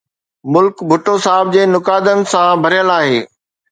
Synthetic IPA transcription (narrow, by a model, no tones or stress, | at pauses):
mʊlkbʱʊʈosaːɦɪb̚d͡ʑeːnʊkaːd̪ənɪ̆sãbʱɐɾijəlaːɦeː